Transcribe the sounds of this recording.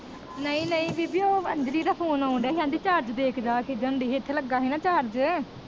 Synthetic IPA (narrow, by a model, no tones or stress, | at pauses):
nəĩːnəĩːbiːbiːoːəɲd͡ʒɾiːd̪aːpʰoːnaːʊɳɖɛːɦãːnd̪iːt͡ʃaːɾd͡ʒd̪eːkʰd͡ʒaːked͡ʒəɳɖiːɦeːt̪ʰːeːləɡaːɦiːnãːt͡ʃaːɾd͡ʒ